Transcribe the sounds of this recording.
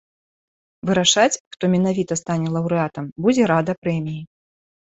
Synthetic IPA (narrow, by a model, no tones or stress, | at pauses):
vɨɾaʂat͡sʲxt̪ɔmʲɛnavʲit̪ɐst̪anʲɛlˠɐwɾɨat̪ɐmbud͡zʲɛɾad̪ɐpɾɛmʲiji